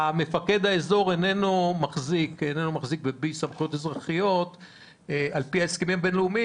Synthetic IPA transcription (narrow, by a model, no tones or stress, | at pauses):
ame̞fake̞d̪haezo̞ʁene̞nomaχzikenenumaχzik̚bebisamχujotezʁaχijo̞t̪ | alpiaeskemimbenleumi